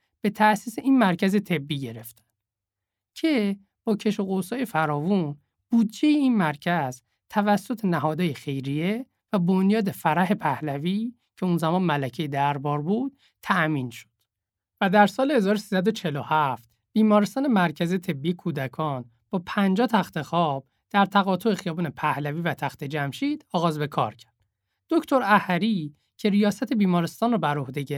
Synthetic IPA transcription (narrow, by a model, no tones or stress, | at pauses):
b̥e̞t̪ʰæʔsiːseʔiːnmæɾcʰæze̞t̪ʰe̞bːiːɟe̞ɾe̞ft̪æ̥n | cʰe̞ | b̥ɒːcʰe̞ʃoɣosɒːjefæɾɒːvun | b̥uːd̪d͡ʒe̞jeiːnmæɾcʰæz̥ | t̪ʰævæsːo̞t̪ʰenæɦɒːd̪ɒːjexe̞jɾije | væbonjɒːd̪e̞fæɾæɦe̞pʰæhlæviː | cʰe̞unzæmɒːnmælæcʰejed̪æɾbɒːɾbuːd̪̥̚ | t̪ʰæʔmiːnʃo̥d̪̥ | væd̪æɾsɒːlehe̞zɒːɾosiːsæd̪o̞t͡ʃʰe̞lohæft̪ | b̥iːmɒːɾest̪ɒːne̞mæɾcʰæziet̪ʰe̞bːijekʰuːd̪ækʰɒːn | b̥ɒːpʰænd͡ʒɒːt̪ʰæxt̪ʰe̞xɒːb̥ | d̪̥æɾt̪ʰæɣɒːt̪ʰoexijɒːbuːne̞pʰæhlæviːvæt̪ʰæxt̪ʰe̞d͡ʒæmʃiːd̪̥ɒːɣɒːzbe̞kʰɒ̰ːɾcʰæ̥ɾd̪̥ | d̪̥oct̪ʰo̞ɾæhæɾi | cʰe̞ɾijɒːsæt̪ʰe̞biːmɒːɾest̪ɒːnrɔbæɾo̞hd̪eɟe